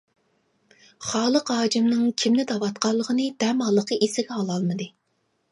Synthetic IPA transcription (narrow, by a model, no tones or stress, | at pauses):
χɑːlˠəqɦɑːd͡ʒimnɨŋkʲʰimnɪd̪ɑwɑt̪qɑlˠːəʁənɨd̪ɛmhɑlˠːəqʰəʔisɪɡʲɛɑlˠɑlˠmɨd̪ɨ